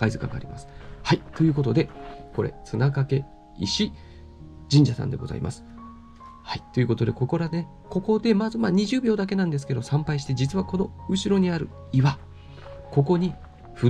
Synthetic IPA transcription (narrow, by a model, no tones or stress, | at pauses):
kaizɨka̰ŋɡa̰ːɾima̰sɨ̥hait̪o̞jɯ̟ːk̬o̞t̪o̞d̪e̞ko̞ɾe̞̰t͡sɨnakake̞ | iɕi | d͡ʑĩɲ̟d͡ʑasã̰nd̪e̞ɡo̞̰za̰ḭmʔa̰sɨ̥ | hait̪o̞jɯ̟ko̞t̪o̞d̪e̞ko̞ko̞ɾad̪e | ko̞ko̞d̪e̞mazɨmaːɲ̟iʑɨːbʲjo̞ːd̪ak̬e̞nãnd̪e̞sɨ̥ke̞d̪o̞sãmpaiɕi̥t̪e̞d͡ʑit͡sɨβako̞no̞ɯ̟ɕiɾo̞ɲ̟iaɾɯ̟̰ | iβa | ko̞ko̞ɲ̟i | ɸɯ̟